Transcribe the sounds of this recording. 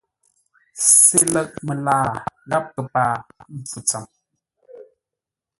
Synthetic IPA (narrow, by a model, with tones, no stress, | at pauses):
se˦lə˦˨k̚mə˨laː˦˨ɣa˦p̚kə˨paː˦˨m̩˨p͡fu˨t͡sa˨m